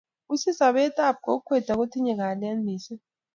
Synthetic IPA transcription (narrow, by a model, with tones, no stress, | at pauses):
u˦si˦sa˨ɓɛ˦tʼa˦˨p̚ko˨k̬u˦kʰwɛ˨d̥ʰʱa˨k̬u˦tʰi˦ɲɛ˨k̬a˨la˦ndʱiː˨sɛ˦